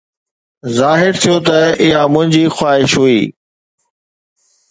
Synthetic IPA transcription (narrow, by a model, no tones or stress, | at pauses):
zaːɦɪɾt̪ʰijot̪ɐɪjamʊ̃ɦɪ̃ɲd͡ʑiːxwaːɦɪʃɦuiː